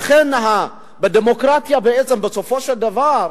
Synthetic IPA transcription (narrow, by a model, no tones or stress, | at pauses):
χenɦa | bed̪emo̞kʁat̪jabeett͡se̞mbeso̞fo̞ʃeld̪avaʁ